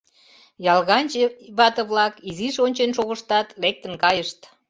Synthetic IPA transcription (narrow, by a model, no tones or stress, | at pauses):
jɑlɣɑnʲt͡ɕβɑt̪əβlɑkiziʃonʲt͡ɕenʃoɣəʃt̪ɑt̪lek̚t̪ə̆nkɑjəʃt̪